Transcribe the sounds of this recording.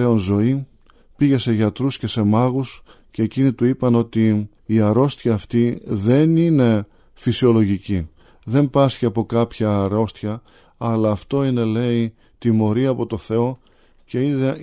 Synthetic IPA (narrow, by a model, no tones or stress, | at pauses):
e̞o̞nzo̞i | piʝe̞se̞ʝɐt̪ɾusce̞se̞mɐɣus | ce̞ːcinit̪uipɐno̞t̪iː | ɐɾo̞st̪çɐːft̪iðe̞nine̞ | fisio̞lo̞ʝici | ðe̞mbɐsciɐpo̞kɐpçɐːɾo̞st̪çɐ | ɐlɐːft̪o̞ine̞le̞i | t̪imo̞ɾiɐpo̞t̪o̞θe̞o̞ | ce̞iðe